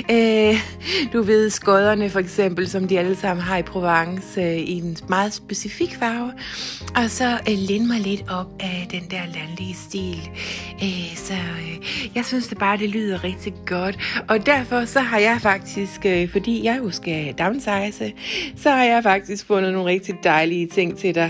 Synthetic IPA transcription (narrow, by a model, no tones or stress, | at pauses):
ø | d̥uʋe̝ð̞̰ˠsɡ̥ɔð̞ˠɐnəfɒ̽eɡ̥sem̰b̥l̩sɒ̽md̥iæləsɑ̈m̰n̩ɦɑ̈ipʰʁo̝ʋɑŋsøinmɑ̈ːð̞̩ˠsb̥esifiɡ̥fɑ̈ʊ | ʔɒ̽sɒ̽lenəmɑ̈ɪle̝d̥ɒ̽b̥æd̥end̥æɐ̰lænliəsd̥ḭːløsɒjɑ̈ɪsynsd̥eb̥ɑ̈ːd̥e̝ly̰ːð̞̰ˠɐʁɛɡ̥̚d̥iɡ̥ɒ̽d̥ʔɒ̽d̥æɐfɒ̽sɒ̽ɦɑ̈jɑ̈ɪfɑ̈ɡ̥̚d̥isɡ̥øfɒ̽d̥ḭːjɑ̈ɪosɡ̥æd̥ɑ̈ʊnsɑ̈ɪsəsɒ̽hɑ̈jɑ̈ɪfɑ̈ɡ̥̚d̥isɡ̥fɔ̽n̰ð̩no̝ːnʁɛɡ̥̚d̥id̥ɑ̈ɪliət͡sʰe̝ŋ̰t͡sʰe̝d̥ɑ̈